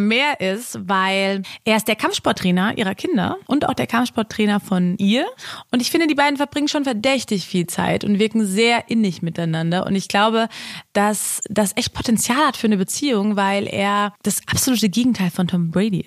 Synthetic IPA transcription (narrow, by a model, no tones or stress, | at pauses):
meːɐʔɪstvaɪlʔeːɐɪstd̥eːɐkʰamftʃpɔɐtːʁ̥ɛːnɐʔḭːʁɐkʰɪndɐ̰ʔʊnta̰ʊxd̥eːɐkʰamftʃpɔɐtːʁ̥ɛːnɐfɔnʔiːɐʔʊntɪçfɪndədiːbaɪdn̩fɛɐbʁɪŋənʃoːnfɛɐdɛçtɪçfiːlt͡sa̰ɪtʊntv̥ɪɐkŋ̩zeːɐʔɪnɪçmɪtaɪnandɐʔʊ̰ntɪçɡ̥laʊbəd̥asd̥asʔɛçt̚pʰo̥tɛnt͡sjaːlhatfyːɐnəbət͡siːʊŋvaɪlʔḛːɐd̥asʔapz̥oluːtəɡeːɡŋ̩tʰaɪlfɔntʰɔmbʁɛɪdḭ